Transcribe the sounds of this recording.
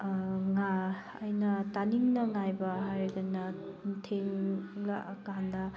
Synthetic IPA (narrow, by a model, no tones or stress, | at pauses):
ŋa | ɐjnɐtaniŋnɐŋajbɐɦajɾeɡɐnɐtʰeŋlakandɐ